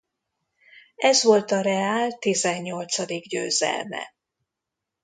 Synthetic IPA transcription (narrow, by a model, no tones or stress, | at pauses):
ɛzʋo̞lt̪ɒɾɛaːlt̪izɛɲːo̞lt̪sɒd̪iɡɟø̰ːzɛ̰lmɛ̰